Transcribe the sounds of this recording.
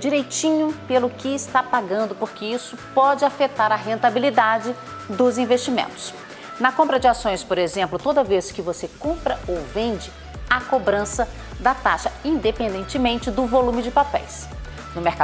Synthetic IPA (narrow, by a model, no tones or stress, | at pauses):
d͡ʒiɾejt͡ʃĩɲʊpelʊkɪːst̪apaɡɐ̃nd̪ʊpoɾkɪisʊpɔd͡ʒɪafet̪aɾɐɦẽnt̪abilid̪ad͡ʒɪ | d̪ʊzĩvest͡ʃimḛ̃nt̪ʊ̥s | nɐkõmpɾɐd͡ʒɪasõj̃spoɾezẽmplʊt̪od̪ɐveskɪvosekõpɾɐowvẽnd͡ʒɪ | ɐkobɾɐ̃sɐ | d̪ɐt̪aʃɐĩnd̪epẽnd̪ẽnt͡ʃɪmẽnt͡ʃɪd̪ʊvolũmɪd͡ʒɪpapɛ̰js | nʊmeɾka